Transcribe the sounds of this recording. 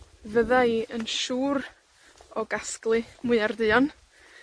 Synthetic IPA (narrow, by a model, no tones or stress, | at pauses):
vəðaiənʃuːɾ | ɔɡasklˠɨmʊɨardɨɔn